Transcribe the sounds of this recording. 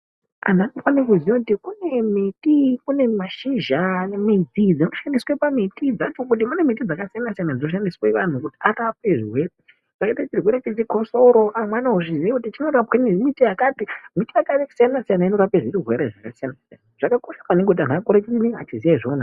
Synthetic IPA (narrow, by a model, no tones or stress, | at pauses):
a̰n̤anofanek̬uzijokutikune̞mitikune̞maʃiʒanemid͡zid͡zinoʃandiswepamitid͡zat͡ʃo̞k̬ut̬imune̞mitid͡zakasijanasijanand͡zinoʃandiswaiʋan̤ukutiarap̚e̞ʐiwe̞re | eɾet͡ʃiriweɾet͡ʃet͡ʃikoso̞ɾo̞ʔamwanaɦuʐiziekutit͡ʃino̞ɾapwanimitiakatimitiakasijanasijanaino̞ɾapeʐiriɦweɾeʐakasijanasijanaʐ̥akako̞ʃḁpaneŋɡeut̬ian̤akoɾet͡ʃiinea̰t͡ʃizijaʐoːna